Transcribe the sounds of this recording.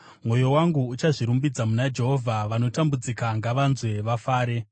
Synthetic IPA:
mwo̞jo̞waŋɡuːt͡ʃaʐiɾumbid͡zamunad͡ʒe̞ɦo̞vʱaʋano̞tambud͡zikaŋɡaʋanzwe̞ʋafaːɾe̞

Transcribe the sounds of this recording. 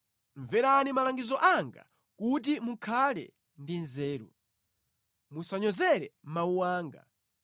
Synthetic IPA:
ɱvɛɾanimalaŋɡizɔʔaŋɡa̰ | kut̬imuŋkʰalɛ̰ | ndinzɛːɾṵ | musaɲɔzɛɾɛ̰m̩mauwaːŋɡa̰

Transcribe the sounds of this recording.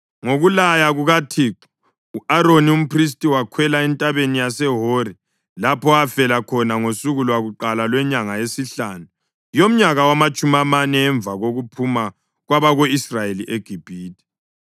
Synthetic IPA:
ŋoɣulajaɣuɣatʰiːǁu̥ | uaɾonium̩pris̬tʼiwakʰwɛlaɛntʼaβenijasɛɦori | lapʰɔafɛlakʰɔnaŋosuɣulwaɣuǃalalwɛɲaŋajesiɬaːnu | jom̩ɲaɣawamat͡ʃʼumamanɛːɱb̪vaɣoɣupʰuma | ɣwaβaɣoisrajeliʔeɡ̥ʱib̥ʱiːtʼi̥

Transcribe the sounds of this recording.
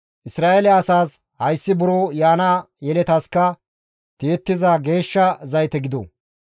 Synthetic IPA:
ʔɪsɾaːʔelɛɐsaːs | hɐjsːɪbʊɾoːjaːnɐ | jɛlɛt̪ɐskːɐ | t̪eːt̪ːɪzaːɡe̞ːʃːɐzɐjt̪ɛɡɪd̪o̰

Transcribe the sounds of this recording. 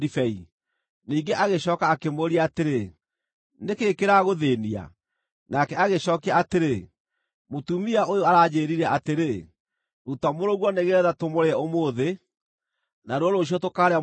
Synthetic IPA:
difɛi | niːŋɡeʔaɣeɕɔːkaːkemoːɾiaːteɾe | nekeːkeɾaɣoðeːnia̰ | nakɛaɣeɕɔːkaːteɾe | motumiaojoaɾad͡ʑeɾiɾɛʔateɾe | utamoɾoɣwɔneɣeɾɛðatomoɾeɛomoːðe | naɾwɔɾoɕ̬iɔtokaːɾea

